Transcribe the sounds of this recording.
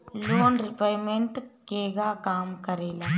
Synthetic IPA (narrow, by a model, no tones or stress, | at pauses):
loːnɾɪpaːjmeɳʈkeːɡaːkaːmkəɾeːlaː